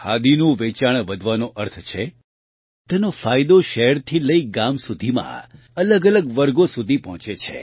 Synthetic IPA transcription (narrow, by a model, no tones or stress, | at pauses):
had̪inũʋet͡ʃaɳ̃ʋəd̪ʱʋanoʔəɾt̪ʰt͡ʃʰe | t̪enofajd̪oʃeɦəɾt̪ʰiləiɡamsud̪ʱimã̰ | ələɡələɡʋəɾɡosud̪ʱipɔɦɔ̃t͡ʃet͡ʃʰḛ